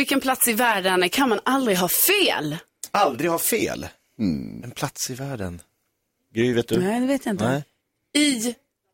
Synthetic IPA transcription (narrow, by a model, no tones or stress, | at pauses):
vɪlkːənpʰlat̪sɪvæːɖənkʰanmanald̪ɾɪɡɦɑːfeːl | ald̪ɾɪɡhɑːfḛːl | ɛnpʰlat̪sɪvæːɖə̰n | ɡɾyveːt̪̚d̪ɵæd̪ɛveːt̪jɪnt̪nɛ | ɪ